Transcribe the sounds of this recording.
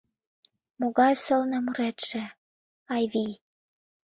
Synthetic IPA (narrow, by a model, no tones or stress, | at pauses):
moɣɑjsɤ̆lnɤ̆muɾet̪ʃĕ | ɑjβi